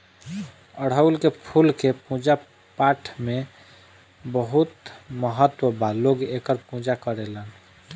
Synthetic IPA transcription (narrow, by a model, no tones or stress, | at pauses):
əɽ̤ɦəulkepʰulkepũd͡ʒa | paʈʰme | bəɦut̪məɦət̪ːwəbaloɡekəɾpũd͡ʒakəɾelən